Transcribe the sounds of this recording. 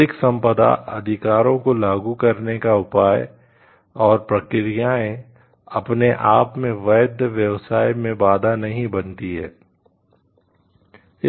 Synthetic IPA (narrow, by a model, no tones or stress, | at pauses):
ɪksɐ̃mpəd̪a̰ʔɐ̰d̪ʱɪkaːɾõkolaːɡukɐɾnekaʊpaːj | ɔːɾpɾɐkɪɾijaːẽ | ɐpneʔaːpmẽʋɐːd̪ʱʋjɐʋsaːjmẽbaːd̪ʱanɐɦĩbɐnt̪iɦɛ̰ː | ɪ